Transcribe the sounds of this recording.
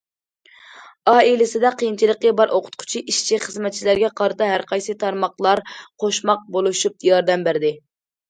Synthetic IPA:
ɑːilɪsɪd̪ɛqʰijint͡ʃʰilˠəqʲːibɑɾʔoqʰʊ̥t̪̚qʰʊ̥t͡ʃʰiʔiʃt͡ʃʰiχəzmɛt̪̚t͡ʃʰilæɾɡʲɛqʰɑɾɨt̪ɑɦæɾqʰɑjsɨt̪ʰɑɾmɑχlˠɑɾqʰoʃmɑq̚bolˠuʃup̚jɑɾd̪ɛmbæɾd̪ɪ

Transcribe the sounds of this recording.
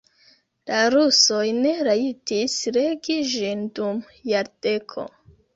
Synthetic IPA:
laɾuso̞jne̞ɾaitisɾeɡiʒindum | jaɾde̞kʰo̞̰

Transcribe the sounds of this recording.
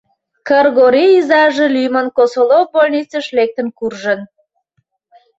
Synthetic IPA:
kərɣoɾiːzɑʒə̆lyjmənkosolobolʲnʲit͡səʃlek̚t̪ə̆nkurʒə̆n

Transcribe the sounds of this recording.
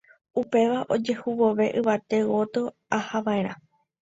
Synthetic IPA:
upe̞ʋaʔo̞d͡ʒe̞huwoʋe̞ʔɨʋat̪e̞wo̞t̪ɨ | ahaʋaẽ̞ɾ̃ã

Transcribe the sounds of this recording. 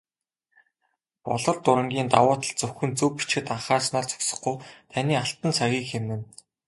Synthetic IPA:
pɔ̰ɮɞ̆ɮt̪ʊɾə̆ŋɡʲiːnt̪a̰wʊːt̪ə̆ɮt͡sɵxɵ̆nt͡sɵwpi̥t͡ɕxɘ̆t̪aɴχaːrsnaːrt͡sɵ̥ksɞ̆χɡujt̪ʰaniːaɬt̪ə̆nt͡sʰaɣʲiːkxemnɘ̆n

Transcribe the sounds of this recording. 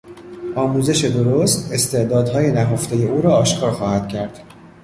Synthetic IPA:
ɒːmuːze̞ʃe̞d̪oɾost̪e̞st̪e̞ʔd̪ɒːd̪hɒːje̞næɦoft̪eje̞uːɾɒːʃkʰɒːɾxɒːhæd̪̥cʰæɾd̪̥

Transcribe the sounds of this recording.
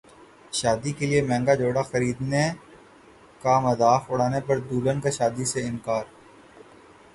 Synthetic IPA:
ʃaːd̪ikeliemɛ̃ːŋɡad͡ʒoːɽaxɐɾiːd̪ne | kamɐzaːfʊɽaːnepɐɾd̪uːlənkaʃaːd̪iseɪ̃nkaːɾ

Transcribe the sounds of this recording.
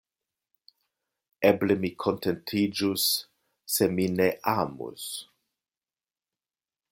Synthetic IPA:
eblemikʰontentʰid͡ʒusː | emineʔamṵs

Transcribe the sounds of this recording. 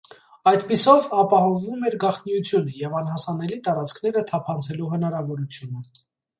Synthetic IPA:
ɑjd̪pisɔvɑpɑhɔɱvumɛɾɡɑχnijut͡sʰjunəjɛvɑnɦɑsɑnɛlit̪ɑɾɑt͡skʰn̪ɛɾət̪ʰɑpʰɑnt͡sʰɛluɦənɑɾɑvɔɾut͡sʰjunə

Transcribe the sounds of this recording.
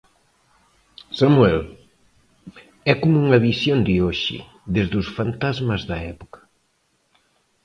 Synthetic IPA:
samuɛl | ɛkomuŋɐβisjond̪ɪoʃɪ̰ | ðezðusfant̪azmɐzðɐɛpokɐ̥

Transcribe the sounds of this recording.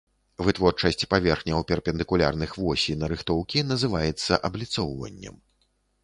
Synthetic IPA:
vɨt̪vɔrt͡ʂɐsʲt͡sʲpavʲɛrxnʲɐwpʲɛrpʲɛnd̪ɨkulʲa̰rnɨxvɔsʲinɐɾɨxt̪ɔwkʲinɐzɨvajɛt̪sːɐʔɐblʲit̪sɔwvɐ̰nʲːɛ̰m

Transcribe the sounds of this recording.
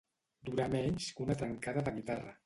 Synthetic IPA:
d̪uɾamɛɲʲskunət̪ɾəŋkaðəðəɣit̪arə̰

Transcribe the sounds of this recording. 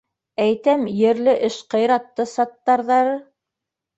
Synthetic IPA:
æjt̪æmjɘ̆ɾlɘʔɘʃqɤ̆jɾɑt̪ːɤsɑt̪ːɑɾðɑɾɤ

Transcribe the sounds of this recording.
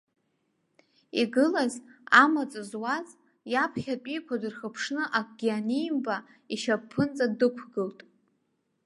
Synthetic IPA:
iɡɨlazamat͡sʼɨzwaz | japʰχʲapʼijkʷʰadɨrχəpʰʂnɨʔakʷʼɡʲianijmba | iʃapʰːɨnt͡sʼadɨkʷʰɡɨltʼ

